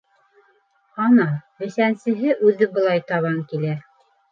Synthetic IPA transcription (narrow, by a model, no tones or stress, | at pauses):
hɑnɑbɘ̆sænsɘ̆ɦɘʔʉðɘbɤ̆lˠɑjt̪ɑβɑŋkilæ